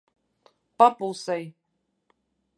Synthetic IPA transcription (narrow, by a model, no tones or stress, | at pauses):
papulˠsaj